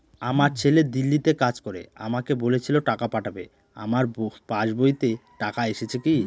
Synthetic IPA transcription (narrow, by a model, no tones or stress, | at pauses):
amaɾt͡ɕʰeled̪ilːit̪ekad͡ʑkoɾḛa̰makebolet͡ɕʰiloʈakapaʈʰabḛ | a̰maɾpãʃbojt̪eʈakaeʃet͡ɕʰeki